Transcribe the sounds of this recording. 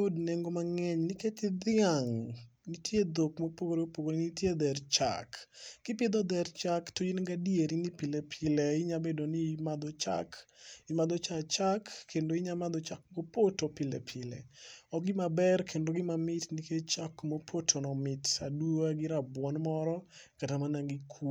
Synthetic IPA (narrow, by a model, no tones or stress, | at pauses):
kodneŋɡomaŋɛɲnɪketɪd̪ɪaŋnitʰjed̪okmopoɡoɾepoɡoɾɪnitjed̪ɛrt͡ʃa̰kːɪpjed̪ɔd̪ɛrt͡ʃaktod͡ʒinɡadieɾinipilepʰɪleɪɲabedonimad̪ɔt͡ʃa̰kɪmad̪ɔt͡ʃat͡ʃakːʰendoɪɲamad̪ɔt͡ʃak̚ɡopotopɪlɛ̰pʰɪlɛ̰ɔɡɪmabɛrkʰendoɡɪmamɪtniket͡ʃakmopʰotʰonɔmɪtaduaɡɪɾabwɔnmɔɾɔ | katamanaŋɡɪkʰu